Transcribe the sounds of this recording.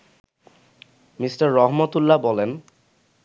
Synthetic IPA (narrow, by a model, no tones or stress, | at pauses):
misʈaɾːɔɦmat̪ulːabɔlen